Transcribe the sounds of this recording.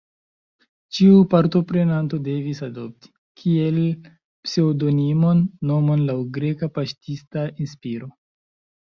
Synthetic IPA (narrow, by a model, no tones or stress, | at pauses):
t͡ʃiupaɾto̞pɾe̞nanto̞de̞visadop̚ti̥ | kʰie̞l | pseodo̞nimo̞nːo̞mo̞nlawɡɾe̞kapaʃtistaʔinspiɾo̞